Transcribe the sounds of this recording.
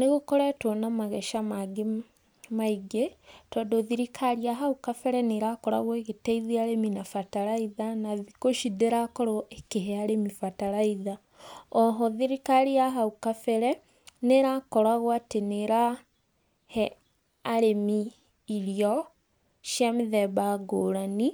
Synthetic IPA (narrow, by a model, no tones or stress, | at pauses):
neɣokɔɾɛtwɔnamaɣɛʃamaɡe | maiɡetɔdoðiɾikʰaɾiaɦaukafɛɾɛneɾakɔɾa̰ɣɔeɣetɛiðiaɾeminafataɾaiðanaðikoʃideɾakɔɾɔekeɦɛaɾemifataɾaiða | ɔɦɔðiɾikaɾiaɦaukafɛɾɛ | neɾakɔɾaɣwateneɾa | hɛ | aɾemiː | ɾiɔ | ʃjamiðɛβaɡoɾani